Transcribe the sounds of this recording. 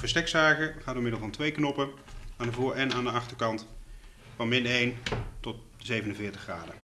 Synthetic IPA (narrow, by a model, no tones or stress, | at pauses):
vəɹstɛksaːkəχaːdomɪdəlˠvɑntʋejknɔpəaːndəvʊːɹʔɛnaːndəɑχtəɹkɑnt | fɑnmɪnejntɔt̚ | zejvənənvɪːɹtəχraːdə